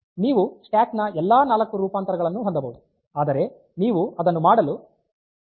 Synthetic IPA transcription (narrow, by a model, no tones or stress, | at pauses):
niːʋusʈjaːknɐʔɛlːaːnaːlɐkːuɾuːpaːnt̪ɐɾɐɡɐɭɐnːuɦond̪ɐbɐwud̪u | aːd̪ɐɾe̞ | niːʋuɐd̪ɐnːumaːɽɐlu